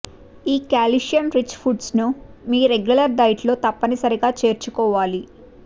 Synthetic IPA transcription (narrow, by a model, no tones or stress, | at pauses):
iːkaːliʂjɐmɾit͡ʃpʰuɖsnumiːɾeɡjulɐɾɖ̪ɐjʈloːt̪ɐpːɐnisɐɾiɡaːt͡ʃe̞ːɾt͡ʃukɔːʋaːli